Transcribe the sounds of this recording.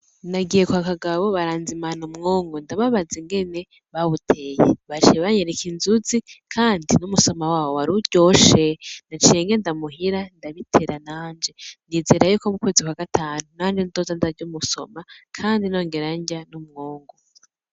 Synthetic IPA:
naɡije̞kuhakaɡaβo̞βaɾaːnzimanumŋoːŋɡondaβaβaziŋɡe̞ne̞ | βaβutʰejḛβad͡ʒeβaɲeɾekinzuzikʰaːndinumuso̞mawaːwoaɾuɟo̞ːʃenat͡ʃieŋɡendamuɦiɾandaβitʰe̞ɾanaːnd͡ʒe̞niːzeːɾajuko̞mukwe̞ːzikwaɡ̥atʰaːnunaːnd͡ʒenido̞zandaɾɟumuso̞̰makʰaːndino̞ːŋɡe̞ɾaɲɟanumŋoːŋɡo

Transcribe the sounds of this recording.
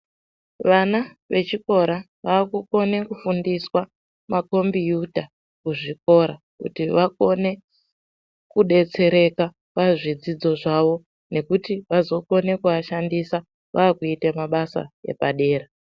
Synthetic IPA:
ʋana | ʋe̞t͡ʃiko̞ɾa | ʋaːkuko̞ne̞kufundiswa | mako̞mbijudʱa | kuʐiko̞ɾa | kṵtiʋako̞ne̞ | kuɗe̞t͡se̞ɾe̞ka | paʐid͡zid͡zo̞ʐaʋo̞ | ne̞kutiʋazo̞ko̞ne̞kuaʃandisa | ʋʔaːkuitemaɓasa̰e̞̰pa̰ɗe̞ːɾa

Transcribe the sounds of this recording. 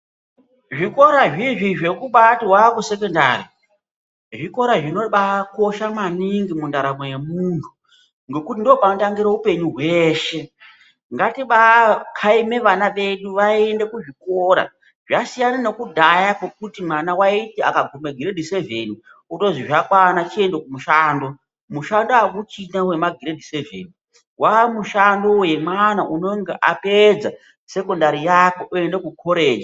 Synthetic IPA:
ʐiko̞ɾaʐiʐiʐe̞kuɓatiwakuse̞k̬ondari | ʐiko̞ɾaʐino̞ɓako̞ʃamaniŋɡimundaɾamojemuːntʰu̥ | ŋɡe̞kutindopanotaŋɡiɾaupe̞ɲuɦwe̞ːʃe̞ | ŋɡatiɓakʰaime̞ʋanaʋe̞ɗuʋaiende̞kuʐiko̞ɾa̰ | ʐasijanano̞kudʱajakwek̚utimanawaitia̰kaɡʱumeɡʱiɾedʱise̞vḛni | uto̞ziʐakwanat͡ʃie̞ndekumuʃaːndo̞ | muʃandoakut͡ʃinawe̞maɡʱiɾedʱisevḛːni | wamuʃando̞jemwanaʔuno̞ŋɡeʔaped͡za | se̞ko̞ndaɾijakoʔuendekukʰoɾe̞ːd͡ʒi

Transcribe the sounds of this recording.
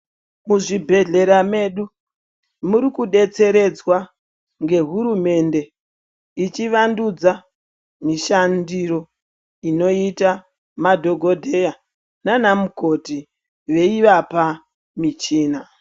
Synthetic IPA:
muʐibʱe̞ɮe̞ɾame̞ɗu | muɾikuɗe̞t͡se̞ɾe̞d͡zwa | ŋɡe̞ɦuɾume̞nde̞ | it͡ʃiʋandud͡za | miʃandiɾo̞ | ino̞ita | madʱo̞ɡʱo̞dʱeja | nanamuko̞ti | ʋe̞iʋapa | mit͡ʃiːna

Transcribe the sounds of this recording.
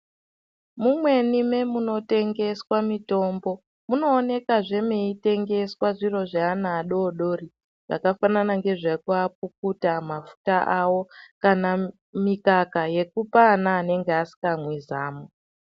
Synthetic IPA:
mumwe̞nime̞muno̞te̞ŋɡe̞swamito̞ːmbo̞ | muno̞ːne̞kaʐe̞meite̞ŋɡe̞swaʐiro̞ʐaːnaːɗo̞ːɗo̞ri | ʐ̥a̰kafananaŋɡe̞ʐakuap̚uk̚utamafu̥taʔawo̞kana | mikakaje̞kupaːnaːne̞ŋɡeasi̥kamwizaːmo

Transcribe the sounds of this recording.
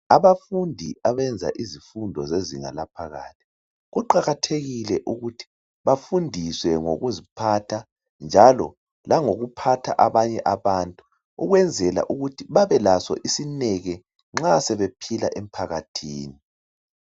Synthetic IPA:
aβafundʱiʔaβɛnd͡zʱa̰ʔizifundʱɔzeziŋa̰lapʰaɣa̰ːtʰi̥ | ɣuǃaɣatʰeɣilɛʔuɣutʰi̥ | βafundʱiswɛŋo̰ɣuzipʰatʰa | nd͡ʒʱalɔ̰ | laŋoɣupʰatʰa̰ʔaβaɲɛʔaβantʼu | uɣwɛnd͡zʱɛla̰ʔuɣutʰiβaβɛlasɔ̰ʔisinɛɣɛ | ŋ͡ǁasɛβepʰila̰ʔem̩pʰaɣatʰiːni

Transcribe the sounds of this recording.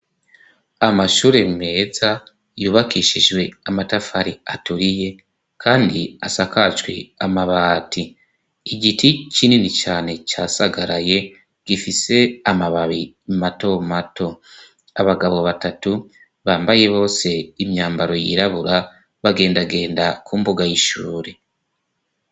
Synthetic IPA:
amaʃuːɾe̞me̞ːza | juːβakiʃid͡ʒɡwe̞amatafaɾiatuɾije̞ | kʰaːndiasakat͡ʃwiamaβaːtiː | ɟitʰicininit͡ʃaːne̞t͡ʃasaɡaɾaje̞ | ɡ̥ifise̞amaβaβi | mato̞mato̞ | aβaɡaβo̞βatatu | βaːmbaje̞βo̞ːse̞imɲaːmbaɾo̞jḭɾaβuɾa | βaɡe̞ːndaɡe̞ːndakʰuːmbuɡajiʃuːɾe

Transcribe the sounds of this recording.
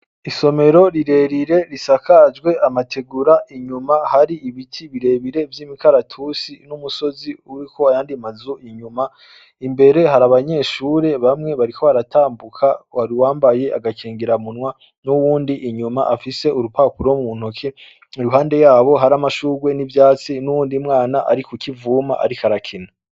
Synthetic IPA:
iso̞me̞ɾo̞ɾiɾe̞ɾiɾe̞ɾisakad͡ʒɡwe̞ʔamatʰe̞ɡuɾaʔiɲumahaɾiiβitʰiβiɾe̞βiɾe̞vjiːmikaɾatʰusinumuso̞ziuɾiko̞ajaːndimazuʔiɲuma | imbe̞ɾe̞ɦaɾaβaɲe̞ːʃuːɾe̞βamŋe̞βaɾikʰo̞aɾatʰaːmbukʰawaɾiwaːmbaje̞ʔaɡakʰeːŋɡiɾamunwa | nuwuːndiʔiɲumaʔafise̞uɾupaːpuɾomumun̥okʰe | iɾuɦaːnde̞jaːβo̞ɦaɾamaʃuːɡwe̞nivjaːt͡sinuwuːndimŋaːnaʔaɾikukivuːma̰ʔa̰ɾikʰaɾakʰina

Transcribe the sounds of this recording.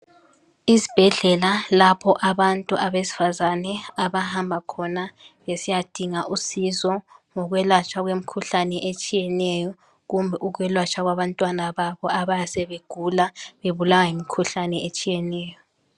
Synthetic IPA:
izi̥b̥ʱɛɮɛlalapʰɔʔaβantʼuʔaβesi̥fazanɛaβahambʱakʰɔnaβesijad̥ʱiŋaʔusizɔŋɔɣwɛlwat͡ʃʰʼaɣwemikʰuɬanɛʔet͡ʃʼijɛnɛjɔ | ɣumbʱɛʔuɣwɛlwat͡ʃʰʼaɣwaβantʼwanaβaβɔaβajasɛβeɡ̥ʱulaβeβulawajimikʰuɬanɛet͡ʃʼijɛnɛːjɔ

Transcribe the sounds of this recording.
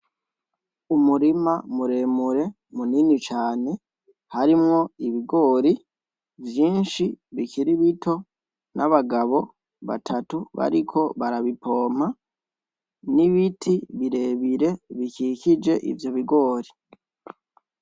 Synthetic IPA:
umuɾimamuɾe̞muɾe̞ | muninit͡ʃaːne̞ | haɾimŋo̞iβiɡo̞ːɾi | vjiːnʃiβiciɾiβito̞ | naβaɡaβo̞ | βa̰tʰatuβa̰ɾikʰo̞βaɾaβipo̞ːm̥a | niβitʰiβiɾe̞βiɾe̞βicicid͡ʒe̞ʔḭvjo̞βiɡo̞ːɾi

